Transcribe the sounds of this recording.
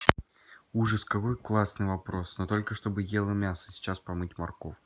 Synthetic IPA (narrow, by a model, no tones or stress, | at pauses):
uʐɨskɐko̞jklˠasnɨjvɐpɾo̞snot̪o̞lʲkəʂt̪o̞bɨjelˠəmʲasə̥sʲɪ̥t͡ɕaspɐmɨtʲmɐrkof